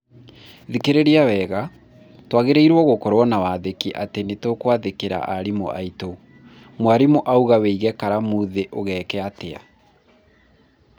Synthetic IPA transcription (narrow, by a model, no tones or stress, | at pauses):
ðikeɾeɾiawɛɣa | twaɣeɾeiɾwɔɣokɔɾwɔnawaðekiʔatenetokwaðekeɾa̰ʔaɾimo̰ʔa̰ito | mwaɾimoʔauɣaweiɣɛkaɾamuðeʔoɣɛːkɛatea̰